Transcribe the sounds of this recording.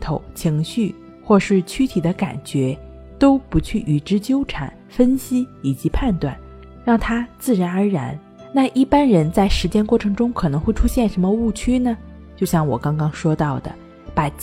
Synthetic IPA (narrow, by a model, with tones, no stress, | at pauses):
t̪ʰo˨˩˦ʊt͡ɕʰi˧˥ŋɕy˥˩ | xwɔ˥˧ʂɻ̩˥˩t͡ɕʰy˥t̪ʰi˨˩d̪ə˦ka̰˨˩nt͡ɕɥɛ˧˥ | t̪o˥ʊpu˧˥t͡ɕʰy˥˩ʔy˨˩ʈ͡ʂɻ̩˥t͡ɕjo˥ʊʈ͡ʂʰa̰˨˩˦n | fə˥nɕi˥i˨˩t͡ɕi˧˥pʰa˥˧nt̪wa̰˥˩n | ɻɑ˥˩ŋt̪ʰa˥t͡sɹ̩˥˩ɻa˧˥nə˞˧˥ɻa˧˥n | na˥˧ʔi˥˩pa˥nɻə˧˥nt͡sa˥˩ɪʂɻ̩˧˥t͡ɕjɛ˥nkwɔ˥˩ʈ͡ʂʰɤ˧˥ŋʈ͡ʂʊ˥ŋkʰɤ˨˩nɤ˧˥ŋxwe˥˩ɪʈ͡ʂʰu˥ɕjɛ˥˩nʂə˧˥nmə˧u˥˩t͡ɕʰy˥nə˨ | t͡ɕjo˥˧ʊɕjɑ˥˩ŋwɔ̰˨˩kɑ˥ŋkɑ˥ŋʂwɔ˥t̪ɑ˥˩ʊd̪ə̰˩ | pa˨˩